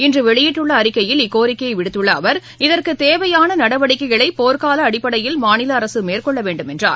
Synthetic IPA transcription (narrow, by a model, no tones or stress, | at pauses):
ɪndrɯʋɛɭɪjɪʈːɯɭːɐːɾɪkːɐjɪlɪkːoːɾɪkːɐjɐɪʋɪɽɯt̪ːɯɭːɐːʋɐɾ | ɪðɐrkɯt̪eːʋɐjaːnɐnɐɽɐʋɐɽɪkːɐɪɣɐɭɐɪpoːɾkaːlɐːɽɪpːɐɽɐjɪlmaːnɪlɐːɾɐsɯmeːrkɔɭːɐʋeːɳɖɯmɛndra̰ːɾ